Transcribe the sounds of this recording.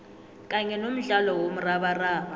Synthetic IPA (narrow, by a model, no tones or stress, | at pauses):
kʼaɲɛnom̩ɮalɔwom̩raɓaraːma